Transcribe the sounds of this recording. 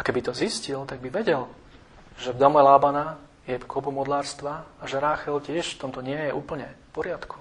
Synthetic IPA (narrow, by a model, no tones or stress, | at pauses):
akɛbit̪ɔziscilt̪aɡ̚biʋɛɟɛl | ʒɛvd̪amɛlaːbana | jɛpkɔbumɔd̪laːɾst̪ʋaaʒɛɾaːxɛlcɪɛʃft̪ɔmt̪ɔɲɪɛjɛʔuːpl̩ɲɛfpɔɾɪat̪ku̥